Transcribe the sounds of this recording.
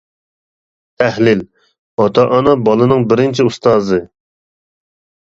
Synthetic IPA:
t̪ʰæhlɪl | ɑt̪ʰɑʔɑnɑbɑlˠɨnɨŋbɪɾɪnt͡ʃʰiust̪ɑːzɨ

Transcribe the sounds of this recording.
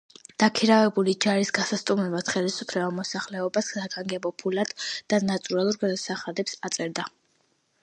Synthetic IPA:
d̪̥akʰiɾavɛbulid͡ʒaɾisɡasast̪ʼumɛbat̪χɛlisupʰlɛbamɔsaχlɛɔbassaɡaŋɡɛbɔpʰulad̪̥d̪anat̪ʼuɾalˠuɾɡad̪asaχad̪ɛpsat̪sʼɛɾd̪a

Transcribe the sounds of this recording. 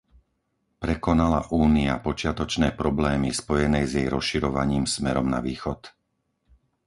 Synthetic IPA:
pɾɛkɔnala̰ʔuːniapɔt͡ʃɪat̪ɔt͡ʃnɛːpɾɔblɛːmispɔjɛnɛjzjɛjɾɔsʃiɾɔʋaɲiːmsmɛɾɔmna̰ʋiːxɔt̪

